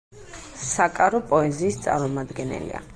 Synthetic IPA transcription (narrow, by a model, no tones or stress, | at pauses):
sakʼaɾɔpʼɔɛziːst̪sʼa̰ɾmɔmad̪ɡɛnɛ̰lḭa̰